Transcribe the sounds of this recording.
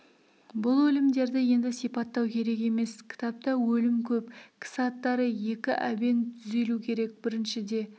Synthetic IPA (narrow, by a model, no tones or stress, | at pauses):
bʊlˠwɵlɪmd̪e̞ɾd̪ɪje̞nd̪ɪsijpɑt̪ːɑwkʲʰe̞ɾe̞ke̞me̞skʲʰɪ̥t̪ʰɑp̚t̪ɑwɵlɪmkʲʰɵpkʲʰɪ̥sɑt̪ːɑɾəje̞kʲɪʔæbe̞nt̪ʰʏze̞lukʲʰe̞ɾe̞k̚bɪɾɪnʃɪd̪e̞